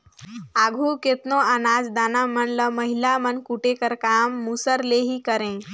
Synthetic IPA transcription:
aːɡʱuket̪noənaːd͡ʒd̪aːnamənləməɦilamənkuʈekəɾkaːmːusəɾleɦikəɾẽ

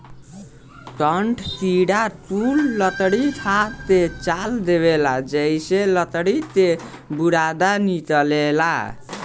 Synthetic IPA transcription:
kəɳʈʰkiɽapulːət̪ɽit̪ʰat̪et͡ʃald̪eβelad͡ʒəjselət̪ɽit̪e | buɽad̪anit͡ʃəlela̰

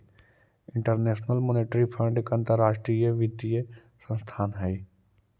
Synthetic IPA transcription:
ɪ̃ɳʈəɾneːʃnəlmoːneʈɾipʰə̃ɳɖkɐ̃nt̪əɾːaːʃʈɾijəʋɪd̪ijə | sə̃nst̪ʰaːnɦɛi

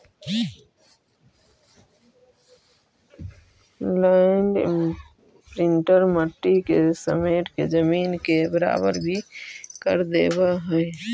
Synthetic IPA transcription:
laɪɳɖ | pɾɪ̃ɳʈəɾməʈːikesə̰meːʈked͡ʒəmiːnkebəɾa̰ːbə̰ɾbʱikə̰ɾd̪eːbaɦɛe

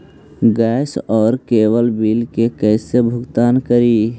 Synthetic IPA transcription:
ɡɛːsɔːɾkeːwəlbiːlkekɛːsebʱʊɡt̪aːnkəɾiː

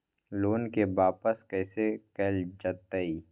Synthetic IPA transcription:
loːnkebaːpəskɛːsekɛːld͡ʒət̪ːəi

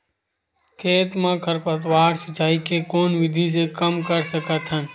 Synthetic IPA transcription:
kʰeːt̪mãkʰəɾpət̪waːɾsət͡ʃaːikekoːnʋɪd̪ʱis̬ekəmkəɾsəkət̪ɦən

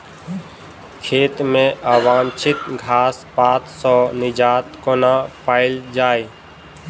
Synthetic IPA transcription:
kʰeːt̪mẽʔaːwaːmt͡ʃʰɪt̪ɡʱaːspaːt̪sɔːnɪd͡ʒaːt̪konapaːɪld͡ʒaːe

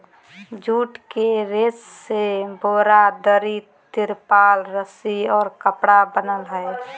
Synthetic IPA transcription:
d͡ʒuːʈkeɾesːebʱoːɾad̪əɾi | t̪ɪɾpaːlɾəsiɔːɾkəpɽabənəlɦəe

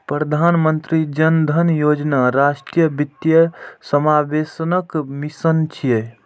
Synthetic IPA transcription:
pɾəd̪ʱanmənt̪ɾid͡ʒənd̪ʱənjod͡ʒnaɾasʈɾijəbit̪jəsəmabesnəkmisənt͡ʃʰije

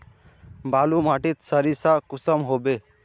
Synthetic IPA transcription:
balumaʈit̪səɾisakusəmɦobe

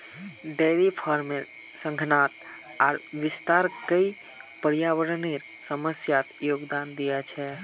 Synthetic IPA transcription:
ɖeɾipʰəɾme | sə̃ŋɡʱnat̪ | a̰ːɾʋist̪aɾkəi | pəɾijaʋəɾəneɾ | səməsjat̪joɡd̪and̪ijɛt͡ʃʰɛ

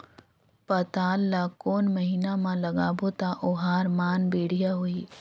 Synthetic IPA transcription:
pɐt̪aːlːaːkoːnməɦiːnamãlɐɡaːbot̪aʔoɦaːɾmaːnbeːɽ̤ijaɦoiː

